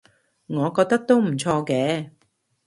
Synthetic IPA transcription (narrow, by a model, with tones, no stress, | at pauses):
ŋɔː˨˧kɔː˧k̚t̪ɐ˥k̚t̪o˥wm̩˨˩t͡sʰɔː˧kɛː˨˥